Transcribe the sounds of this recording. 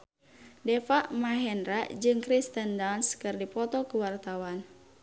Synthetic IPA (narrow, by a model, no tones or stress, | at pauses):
dɛfaʔmaɦɛnɾad͡ʒɨŋkɾist̪əndanskɨrdipɔt̪ɔkəwart̪awan